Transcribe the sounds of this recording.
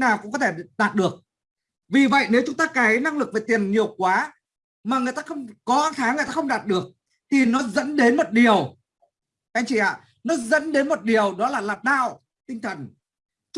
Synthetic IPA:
naː˨˩wkʊ̰˧˥ŋ͡mkɔ˨˦t̪ʰe˧˩ɗaː˨˩t̚ɗɨ˨˩ək̚ | vi˨˩və̰˧˨jne˨˦wt͡ɕʊ˨˦ŋ͡mt̪aː˧kaː˨˦jna˧ŋlɨ˨˩k̚ve˨˩t̪i˨˩ənɲi˨˩əwkwaː˨˦ | maː˨˩ŋɨ˨˩əjt̪aː˧xə˧wŋ͡mkɔ˨˦ʔaː˧ŋt̪ʰaː˨˦ŋɨ˨˩jt̪aː˧xə˧ŋ͡mɗaː˨˩t̚ɗɨ˨˩ək̚ | t̪ʰi˨˩nɔ˨˦zə̰˧˥nɗe˨˦nmo˨˩t̚ɗi˨˩əw | mɛ̰˧˥t͡ɕḭ˧˩ʔa̰ː˧˨ | nɔ˨˦zə̰˧˥nɗe˨˦nmo˨˩t̚ɗi˨˩əwɗɔ˨˦laː˨˩laː˨˩p̚ɗaː˧˨w | t̪ï˧ŋt̪ʰə˨˩n

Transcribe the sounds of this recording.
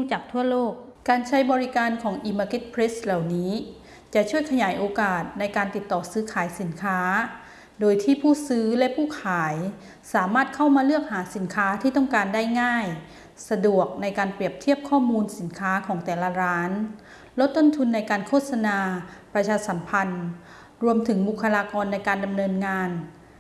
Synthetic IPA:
uː˧˥˩t͡ɕaː˨˩k̚t̪ʰu˥˩ɐloː˥˩k̚ | kaː˧nt͡ɕʰa˦˥jbɔː˧ɾi˦˥kaː˧nkʰɔː˩˦ŋʔiː˧maː˧ke˦˥t̪̚pʰɾe˦˥sla˨˩wniː˦˥ | t͡ɕa˨˩ʔt͡ɕʰu˥˩əjkʰa˧jaː˩˦jʔoː˧kaː˨˩t̪̚na˧jkaː˧nt̪i˨˩t̪ːɔː˨˩sɯː˦˥kʰaː˩˦jsi˨˩˦nkʰaː˦˥ | doː˧jt̪ʰiː˥˩pʰuː˥˩sɯː˦˥lɛ˦˥ʔpʰuː˥˩kʰaː˨˩˦j | saː˩˦maː˥˩t̪̚kʰa˥˩wmaː˧lɯ˥˩ək̚haː˩˦si˩˦nkʰaː˦˥t̪ʰiː˥˩t̪ɔ˥˩ŋkaː˧nda˥˩jŋaː˥˩j | sa˧du˨˩ək̚na˧jkaː˧npɾi˨˩əp̚t̪ʰi˥˩əp̚kʰɔː˥˩muː˧nsi˨˩˦nkʰaː˦˥kʰɔː˩˦ŋt̪ɛː˨˩la˧ɾaː˦˥n | lo˦˥t̪ːo˥nt̪ʰu˧nːa˧jkaː˧nkʰoː˥˩t̪̚sa˧naː˧pɾa˧t͡ɕʰaː˧sa˩˦mpʰa˧n | ɾu˧əmt̪ʰɯ˩˦ŋbu˨˩kʰːa˧laː˧kɔː˧nːa˧jkaː˧nda˧mnɤː˧nŋaː˧n

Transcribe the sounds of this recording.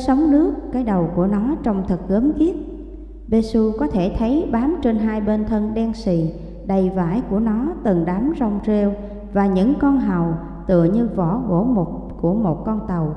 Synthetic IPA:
sə˨˦wŋ͡mnɨ˦˥əkːaː˨˦jɗə˨˩wku˧˩ənɔ˨˦t͡ɕɔ˧wŋ͡mt̪ʰɨ˨˩k̚ɣəː˨˦mɣi˦˥ət̚ | ɓe˧su˧kɔ˨˦t̪ʰe˧˩t̪ʰə˨˦jɓaː˨˦mt͡ɕe˧nɦaː˧jɓe˧nt̪ʰə˧nɗɛ˧nsḭ˨˩n | ɗə˨˩jvaː˧˩jku˧˩ənɔ˨˦t̪ɨ˨˩ŋɗaː˨˦mzɔ˧wŋ͡mze˧w | vaː˨˩ɲɨ̰˧˥ŋkɔ˧nɦa˨˩w | t̪ɨ̰˧˨əɲɨ˧vɔ˧˩˦ɣo˧˩mo˨˩t̚ | ku˧˩əmo˨˩t̚kɔ˧nt̪ə˨˩w

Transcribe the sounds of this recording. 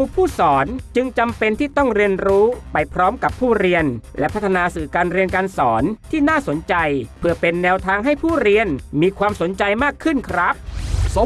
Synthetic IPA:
uː˧pʰuː˥˩sɔː˩˦nt͡ɕɯ˧ŋt͡ɕa˧mpe˧nt̪ʰiː˥˩t̪ɔ˥˩ŋɾi˧ənɾuː˦˥pa˧jpʰɾɔː˦˥mka˨˩pʰːuː˥˩ɾi˧ənlʔɛ̰˦˥pʰa˦˥t̪ʰːa˧naː˧sɯː˨˩kaː˧nɾi˧ənkaː˧nsɔː˩˦nt̪ʰiː˥˩naː˥˩so˩˦nt͡ɕa˧jpʰɯ˥˩ɐpe˧nːɛː˧wt̪ʰaː˧ŋɦa˥˩jpʰuː˥˩ɾi˧ənmiː˧kʰwaː˧mso˩˦nt͡ɕa˧jmaː˥˩kʰːɯ˥˩nkʰɾa˦˥p̚

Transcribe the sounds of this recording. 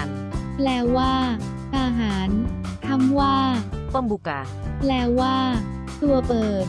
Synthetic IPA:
a˧n | plɛː˧wwaː˥˩ | ʔaː˧ɦaː˩˦nt̪ʰa˧˥˩mwaː˥˩pu˥˩mbuː˨˩ka̰ː˨˩ | plɛː˧wwaː˥˩ | t̪u˧ɐpɤː˨˩t̪̚

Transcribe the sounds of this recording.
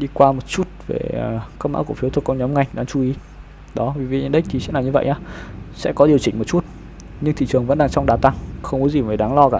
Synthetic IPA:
ɗi˧kwaː˧mo˨˩t̚t͡ɕu˦˥t̚vḛ˨˩kə˦˥ma̰ː˧˥ku˧˩əfi˨˦t̪ʰkɔ˨˦ɲɔ˨˦mŋa˨˩jɗaː˨˦ŋt͡ɕu˨˧˦i˨˦ | ɗɔ˨˦vi˨˩vḭ˨ɲ˨nɗï˦˥k̚t̪ʰi˨˩sɛ˦˥naː˨˩ɲɨ˧və̰˧˨jʔɲaː˨˧˦sɛ̰˧˥kɔ˨˦ɗi˨˩əwt͡ɕï˧˩ŋo˨˩t̚t͡ɕu˦˥t̚ | ɲɨ˧ŋt̪ʰḭ˧˨t͡ɕɨ˨˩əŋvə̰˧˥nɗaː˧ŋt͡ɕɔ˧wŋ͡mɗaː˨˦t̪a˧ŋxə˧wŋ͡mkɔ˨˦zi˨˩vəː˨˩ɗaː˨˦ŋlɔ˧kaː˧˩

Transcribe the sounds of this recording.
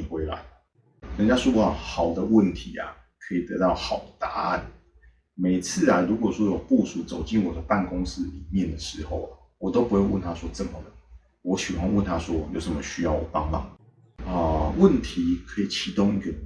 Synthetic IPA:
xwe˧˥ɪla̰˧˦ɪ | kə˨˩nt͡ɕja˥ʂu˥˧a˥˩xɑ˨˩ʊd̪ə˦wə˥˨˩nt̪ʰi˧˥˦a̰˨ | kʰɤ˧˥i˨˩t̪ɤ̰˧˦t̪ɑ˥˩ʊxɑ˨˩ʊd̪ə˦t̪a˧˥a˥˩n | me˨˩ɪt͡s̩ʰ˥˩a˨˩ɻu˧˥kwɔ˨˩ʂwɔ˥jo˨˩ʊpu˥˧su˨˩t͡so˨˩ʊt͡ɕi˥˨˩nwɔ˨˩d̪ə˦pa˥˩nkʊ˥ŋs̩˦˥li˨˩˦mjɛ˥˨nd̪ə˩ʂɻ̩˧˦xo˥˩ʊa˨ | wɔ˨˩t̪o˥ʊpu˧˥we˥˧ɪwə˥˨nt̪ʰa˦˥swɔ˥t͡sə˨˩mə˨lə˩ | wɔ˧˦ɕi˨˩wa˥˧nwə˥˩nt̪ʰa˦˥swɔ˦˥jo̰˨˧˩ʊʂə˧˥nmə˧ɕy˥jɑ˥˩ʊwɔ̰˨˩pɑ˦ŋla̰˨˩ | ə˧wə˥˨nt̪ʰi˨˧˦kʰɤ˧˥i˨˩t͡ɕʰi˧˥t̪ʊ˥˧ŋi˧ɡə˨

